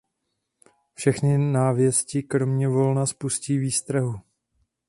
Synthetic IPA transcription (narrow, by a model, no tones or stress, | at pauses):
fʃɛxnɪnaːvjɛscɪkɾo̞mɲɛvo̞lnaspusciːviːst̪ɾaɦu